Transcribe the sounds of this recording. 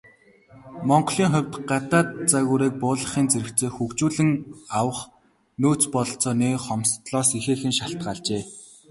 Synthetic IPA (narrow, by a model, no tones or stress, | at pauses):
mɔɴɢɞ̆ɮiːŋχʊ̟wʲt̪ɢat̪aːt̪t͡saɣuːɾiːk̚pʊːɮə̆χiːnt͡seɾɘ̆kt͡sʰeːxukt͡ɕuːɮɘ̆ŋawə̆χ | noːt͡spɔɮɞ̆ɬt͡sɔːneχɔmst̪ɮɔːsixeːxɘ̆nʃaɬt̪̚ɢaːɮt͡ɕeː